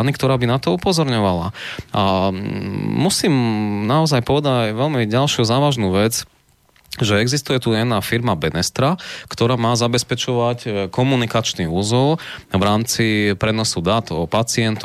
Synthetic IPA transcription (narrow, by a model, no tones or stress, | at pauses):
nikt̪ɔɾaːbinat̪ɔupɔzɔɾɲɔʋala̰a | musiːmnaɔzajpɔʋɛd̪aɟajʋɛlmiɟalʃjuzaːʋaʒnuːʋɛd͡z | ʒɛɛɡzist̪ujɛt̪ujɛnafiɾmabɛnɛst̪ɾakt̪ɔɾaːmaːzabɛspɛt͡ʃɔʋackɔmunikat͡ʃniuzɔlʋɾaːmt͡sipɾɛnɔsud̪at̪ɔpat͡sɪɛnt̪